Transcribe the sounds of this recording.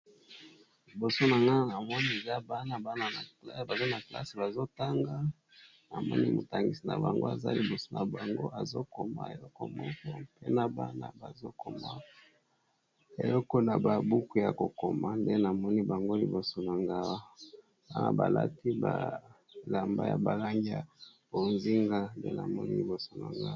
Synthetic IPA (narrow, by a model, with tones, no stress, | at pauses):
li˨bo˨so˦na˨ŋɡa˦na˨mɔ˦ni˦e˨za˦ba˦na˦ba˦na˦na˨lba˨zo˦na˨kla̰˦si˨ba˨zo˦ta˦ŋɡa˦ | na̰˨mɔ̰˦nḭ˦mo̰˨ta˨ŋɡi˨si˨na̰˨ba̰˨ŋɡo̰˦a̰˨za̰˦li˨bo˨so̥˦na˨ba˨ŋɡo̰˦ʔa˨zo̰˦ko˨ma̰˦ḛ˨lɔ˦kɔ˦mɔ˦kɔ˦pḛ˦na˨ba̰˦na̰˦ba˨zo˦ko˨ma˦ | ḛ˨lɔ˦ko˦na˨ba˨bu˦ku˦ja˨ko˨ko˨ma˦nde˦na˨mɔ˦ni˦ba˨ŋɡo˦li˨bo˨so˨na˨ŋɡa˦wa˦ | ba˦na̰˨ba̰˨la̰˦ti˦ba̰˨ | la˨mba̰˦ja̰˨ba˨la˦ŋɡi˦ja̰˨b̥o˨nzi˦ŋɡa˦ndḛ˦na˨mɔ˦nḭ˦li˨bo˨so˦na̰˨ŋɡa˦